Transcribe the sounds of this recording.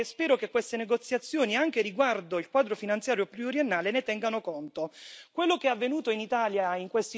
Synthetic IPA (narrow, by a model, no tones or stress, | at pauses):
spɛːɾokekːwest̪eneɡot̪sːjat̪sːjoːniaŋk̟eriɡward̪oilkwaːd̪ɾofinant̪sjaːɾjopluoɾjenːaːlenet̪ɛŋɡanokont̪okwelːokeɛavːenuːt̪oinit̪aːljaiŋkwest̪i